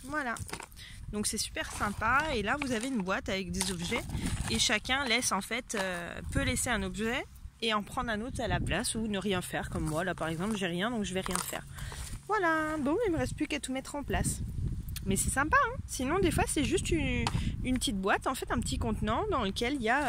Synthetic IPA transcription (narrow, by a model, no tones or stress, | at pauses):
vwala | d̪ɔ̃ksɛsy̥pɛʁsɛ̃paelavuzaveynbwat̪avɛk̚d̪ezɔbʒɛeʃakʲɛ̃lɛsɑ̃fɛt̪øpøleseɛ̃nɔbʒɛ | eɑ̃pχɑ̃d̪ʁɛ̃not̪χalaplasunəʁjɛ̃fɛʁkɔmːwalapaʁɛɡzɑ̃plʒɛʁjɛ̃d̪ɔ̃kʒəvɛʁjɛ̃fɛ̰ːʁvwalabɔ̃ilməʁɛst̪̚plykat̪umɛt̪χɑ̃plas | mɛsɛsɛ̃paɛ̃sinɔ̃d̪efwasɛʒyst̪yynpət̪it̪̚bwat̪ɑ̃fɛt̪ɛ̃pət̪ikɔ̃t̪nɑ̃d̪ɑ̃ləkʲɛlija